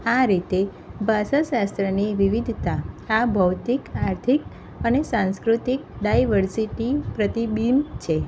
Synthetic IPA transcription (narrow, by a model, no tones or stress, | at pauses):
aɾit̪e | basəʃast̪ɾəniʋiʋid̪ʱt̪aːbʱəwt̪ikaɾt̪ʰik̚ | ənesãnskɾut̪ik̚ɖajʋəɾsiʈipɾət̪ibint͡ʃʰe